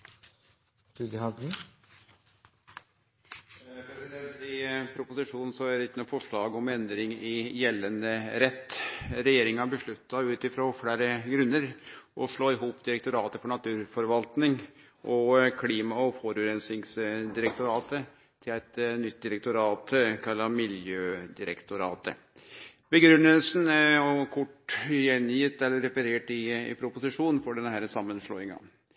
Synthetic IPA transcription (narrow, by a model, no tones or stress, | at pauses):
d̪̥ʉd̪ɪhɑd̪n̩ | pʰɾɛsɪd̪ɛnt̪ɪpʰɾʊpʊsɪʂuːn̩sɔæd̪ɛɪt̪ːənufɔʂɭɑːɡɔmɛnd̪ɾɪŋɪjɛlːənəɾɛt̪ːɾɛjeːɾɪŋɑbəʂɭʉt̪ːɑʉːt̪ɪfɾoːfɽæːɾəɡɾʉnːəɾʔɔʂɭoːɪɦuːpd̪ɪɾɛk̚t̪ʊɾɑːt̪əfɔɳɑt̪ʰʉːɾfɔɾʋɑlt̪nɪŋ | ʔɔkʰliːmɑɔfɔɾʉːɾɛnsɪŋsd̪ɪɾɛk̚t̪ʊɾɑːt̪ə | t̪ʰɪlæɪt̪nʏt̪̚ːd̪ɪɾɛk̚t̪ʊɾɑːt̪kʰɑlːɑmɪljøːd̪ɪɾə̰kt̪ʊɾɑːt̪ə̰ | bəɡɾʉnːəlsnɔkʰʊʈːjɛnjɪt̪ːɛlːəɾɛpəɾeːʈɪɪ̰pʰɾʊpʊsɪʂuːnnfɔɖɛnːəhæːɾəsɑmːənʂɭo̰ːɪŋɑ̰n